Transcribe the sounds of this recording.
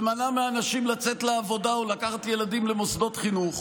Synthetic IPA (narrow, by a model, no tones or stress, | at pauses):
manameaːnaʃimlat͡setleavo̞daulakaχat̪je̞ladimlemosdo̞tχinuχ